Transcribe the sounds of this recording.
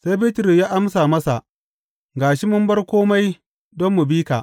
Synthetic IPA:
sa˦jbɪ˦tɾɪ˨jaː˦ʔa˦msaː˨mɐ˦sa˨ʔ | ɡaː˨ʃi˦mʊ˦mbɐ˦rkʷoː˦ma˦j | dɔ˦mːu˨biː˦kaː˨ʔ

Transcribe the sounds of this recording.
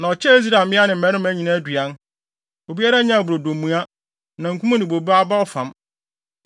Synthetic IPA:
nã˨ɔ˨t͡ɕʰɛ˦e˦z̬ɾa˨mɪ̃˦a˦nɪ̃˨m̩ː˨ɛ̃˨˦ʊ̃˦mæ˦ɲĩ˨nã˦æ˦dɥa˦n | o˨bi˦a˦ɾa˦ɲã˦˨bʊ˨ɾo˨dõ˨mː˨ũ˦a˦ | nã˨ŋ̩˨kʰʷũ˦mũ˦nɪ̃˨bo˨bi˦a˦ba˦ɔ˦fã˨m

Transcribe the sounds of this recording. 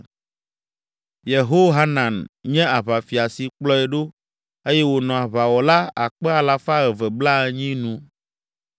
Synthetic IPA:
je˨ɦo˦ɦa˦nã˨nɲɛ̃˦a˨βa˨fi˨a˨si˨k͡plɔ˦ɛ˨ɖo˦ | e˦jɛ˦wo˨nɔ̃˨a˨βa˨wɔ˨la˦a˨k͡pɛ˦a˨la˨fa˦ɣɛ˨vɛ˨bla˦ɛ˨ɲĩ˦nũ˦

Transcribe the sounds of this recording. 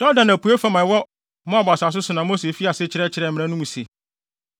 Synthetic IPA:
d̥ɔ˦dã˨næ˨pʰu˨˦e˦fa˨mã˨˦wɔ˦ | mã˦a˨bɔ˨a˨sa˨s̬ʊ˦sʊ˨nã˨mo˦se˨fi˦a˨sɪ˦t͡ɕʰɪ˨ɾɛ˦t͡ɕʰɪ˨ɾɛ˨mɪ̃˨ã˦nũ˦mũ˨se˨

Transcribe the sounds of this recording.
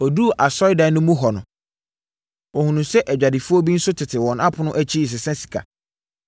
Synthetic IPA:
ɔ˨du˦˨ʔa˨sɔ˦ɪ˦da˨˦nʊ̃˦mũ˦ɦɔ˨nʊ̃˨ | ɔ˨hũ˨nũ˨sɛ˦ʔɛ˨d͡ʑᶣa˨dɪ˨fu˦ɔ˦bi˦n̩˦sʊ˦tʰɪ˨tʰɪ˨wɔ̃˨na˦pʰʊ˨˦nʊ̃˦ʔæ˦t͡ɕʰi˦˨s̬ɪ˨sɛ̃˦si̥˨kʰa̰˨

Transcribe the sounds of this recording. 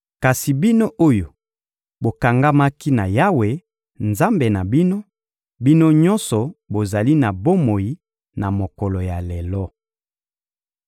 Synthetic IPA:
ka˨si˨bi˦no˦ʔo˦jo˨ | bo˨ka˨ŋɡa˦ma˦ki˦na˨ja˦we˨ | nza˦mbe˨na˨bi˦no˦ | bi˦no˦ɲɔ˦nsɔ˨bo˨za˨li˦na˨bo˦mo˨ji˨ | na˨mo˨kɔ˨lɔ˨ja˨lɛ˨lɔ˦

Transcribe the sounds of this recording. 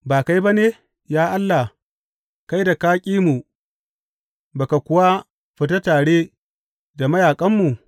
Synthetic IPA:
baː˨ka˦jba˦neː˦˨ | jaː˦ʔa˦lːa˨h | ka˦jda˨kaː˦kʲʼiː˦mu˨ | ba˨ka˨kʷʊ˦wa˦ | ɸɪ˨ta˦taː˨ɽeː˦ | da˨mɐ˦jaː˨kʼɐ˦mːu˨

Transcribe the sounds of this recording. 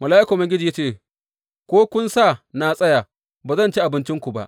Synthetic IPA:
mɐ˨laː˦ʔɪ˦koː˨mɪ˦ŋɡʲɪ˦d͡ʒiː˨ja˦t͡ʃeː˦˨ | kʷoː˦kʷʊ˦nsaː˦˨naː˨sʼɐ˦jaː˨ | baː˨zɐ˦˨nt͡ʃi˦ʔa˨bɪ˦nt͡ʃɪ˦ŋkʷu˨ba̰˦ʔ

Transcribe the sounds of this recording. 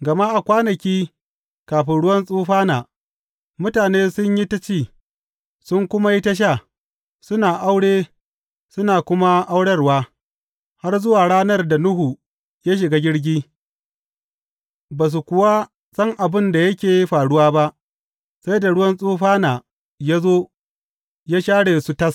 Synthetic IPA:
ɡɐ˨ma˦ʔa˨kʷaː˦nɐ˨kʲiː˦ | kaː˨ɸɪ˨nɽʊ˦wɐ˦nsʼuː˦ɸaː˦naː˨ | mʊ˦taː˨neː˦sʊ˦ɲji˦tɐ˦t͡ʃiː˦˨ | sʊ˦ŋkʷʊ˦ma˦ji˦tɐ˦ʃ̬a˦˨ | sʊ˦naː˨ʔa˦wɽeː˦ | sʊ˦naː˨kʷʊ˦ma˦ʔa˦wɽɐ˦rwaː˦ | ha˦rzʊ˦waː˨ɽaː˦nɐ˦rda˨nʊ˦hu˨ | ja˦ʃ̬ɪ˨ɡaː˦ɡʲɪ˦ɽɡʲiː˦ | baː˨s̬u˨kʷʊ˨wa˦ | sʼɐ˦ŋʔa˨bɪ˦nda˨jɐ˦kʲeː˨ji˦ɸaː˨ɽʊ˦waː˦ba˦ʔ | sa˦jda˨ɽʊ˦wɐ˦nsʼuː˦ɸaː˦naː˨ | jaː˦zoː˦ | jaː˦ʃaː˦ɽeː˨su˦tɐ˦s

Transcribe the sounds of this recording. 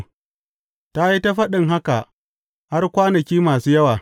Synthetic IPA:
ta˦ji˦ta˦ɸɐ˦ɗɪ˨ŋɦa˦ka˨ | ha˦rkʷaː˦nɐ˨kʲiː˦maː˨suː˦jɐ˦waː˨

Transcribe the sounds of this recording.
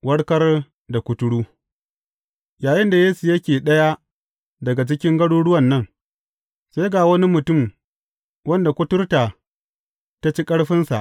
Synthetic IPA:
wɐ˦ɽkɐ˦r | da˨kʷʊ˦tʊ˦ɽuː˦ | jaː˨jɪ˦nda˨jeː˦su˨jɐ˦kʲeː˨ɗɐ˦ja˦ | dɐ˨ɡa˨t͡ʃɪ˦kʲɪ˦ŋɡɐ˦ɽuː˦ɽʊ˦wɐ˨nːɐ˦n | se˦jɡa˨wɐ˦ni˦mʊ˨tʊ˦˨m | wɐ˦nda˨kʷʊ˦tʊ˦rta˨ | ta˦t͡ʃi˦kʼɐ˦ɽɸɪ˦nsa̰˨ʔ

